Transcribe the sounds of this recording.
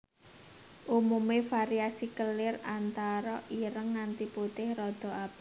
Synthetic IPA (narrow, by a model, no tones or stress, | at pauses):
ʔumumefaɾiasikəlɪrant̪aɾɔʔiɾəŋːant̪iput̪ɪhrɔd̪̥ɔ̤ʔab̥a